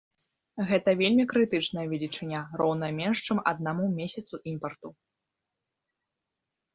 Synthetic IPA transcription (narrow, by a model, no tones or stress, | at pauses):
ɣɛt̪ɐvʲelʲmʲikɾɨt̪ɨt͡ʂnɐjɐvʲɛlʲit͡ʂɨnʲarɔwnɐmʲɛnʂt͡ʂɨmɐ̰d̪namumʲesʲɐt̪suʔimpɐrt̪u